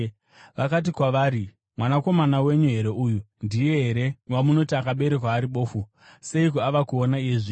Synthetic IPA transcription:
ʋakat̬ikwaʋaːɾi | mwanako̞manawe̞ɲuɦe̞ɾe̞uju | ndije̞ɦe̞ɾe̞wamuno̞tiakaɓe̞ɾekwaːɾiɓo̞ːfu | se̞ikuaʋakuonaijeʐiː

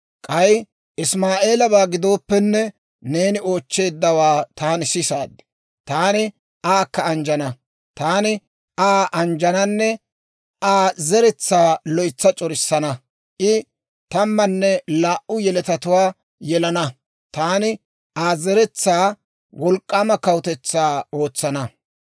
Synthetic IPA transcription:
kʼɐj | ʔɪsmaːʔe̞ːlɐbaːɡɪd̪o̞ːpːɛnːɛ | neːnɪo̞ːt͡ʃːe̞ːd̪ːɐwaːt̪aːnɪsɪsa̰ːd̪ɪ̥ | t̪aːnɪ | ʔaːkːɐːnd͡ʒɐnɐ | t̪aːnɪ | aːʔɐnd͡ʒɐnɐnːɛ | ʔaːzɛɾɛt͡sːaːlɔjt͡sːɐt͡ʃʼɔɾɪsːɐnɐ | ʔɪ | t̪ɐmːɐnːɛlaːʔʊjɛlɛt̪ɐt̪ʊwaː | jɛlɐnɐ | t̪aːnɪ | ʔaːzɛɾɛt͡sːaː | wɔlkʼːaːmɐkɐwt̪ɛt͡sːaːo̞ːt͡sːɐnɐ

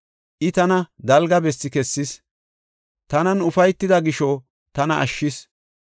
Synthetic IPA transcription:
ʔɪt̪ɐnɐd̪ɐlɡɐbɛsːɪkɛsːɪs | t̪ɐnɐnʊfɐjt̪ːɪd̪ɐɡɪʃɔ | t̪ɐnɐʔɐ̰ʃːɪs

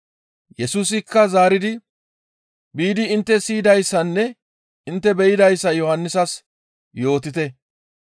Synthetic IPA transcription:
jɛsuːsɪkːɐzaːɾɪd̪ɪ | biːd̪ɪɪnt̪ːɛsiːd̪ɐjsːɐnːɛ | ɪnt̪ːɛbɛjɪd̪ɐjsːɐjɔhɐnːɪsɐs | jo̞ːt̪ɪt̪ɛ

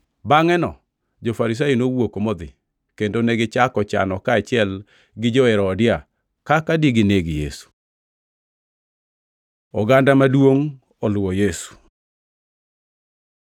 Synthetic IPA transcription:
baŋɛnɔ̰ | d͡ʒofaɾis̬ajinowokomɔd̪ɪ̰ | kendoneɡɪt͡ʃakɔt͡ʃa̰nɔkaːt͡ʃɪɛl | ɡɪd͡ʒɔɛɾɔːdɪa | kakadiɡɪneɡɪjesu̥ | ɔɡandamadwoŋ | ɔlwɔjesu̥

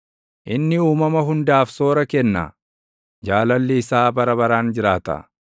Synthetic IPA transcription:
ʔɪnːɪuːmɐmɐɦʊnd̪aːfso̞ːɾɐkɛnːa̰ | d͡ʒaːlɐlːɪːsaːbɐɾɐβɐɾaːnd͡ʒɪɾaːt̪ɐ̰

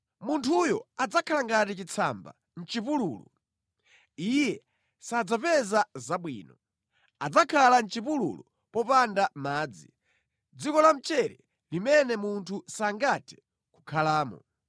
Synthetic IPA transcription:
muntʰujɔad͡zakʰalaŋɡatit͡ʃit͡sʰa̰mba̰ | n̩t͡ʃipulṵːlṵ | ijɛ | sad͡zapɛzazaɓwḭːnɔ | ad͡zakʰalan̩t͡ʃipulṵlu | pɔpandamaːd͡zi | d͡zikɔlam̩t͡ʃɛɾɛ | limɛnɛmuntʰusaŋɡatʰɛ̥ | ku̥kʰalaːmɔ̰

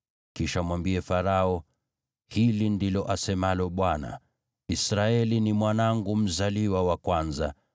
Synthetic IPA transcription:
kiʃamwambiɛfaɾaɔ | hilindilɔʔasɛmalɔɓwana̰ | isɾaɛlinimwanaŋɡum̩zaliwawakwanza̰

